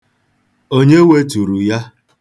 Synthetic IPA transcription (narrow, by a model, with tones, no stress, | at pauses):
o˦ɲe˦we˦tu˨ɾu˨ja˦